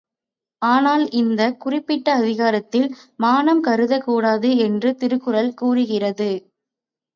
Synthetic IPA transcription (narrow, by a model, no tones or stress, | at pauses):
aːnaːlɪnd̪ɐkʊrɪpːɪʈːɐːðɪɣaːɾɐt̪ːɪlmaːnɐmkɐɾɯðɐkuːɽaːðɯɛndrɯt̪ɪɾɯkːɯɾɐlkuːrɯɣɪrɐðɯ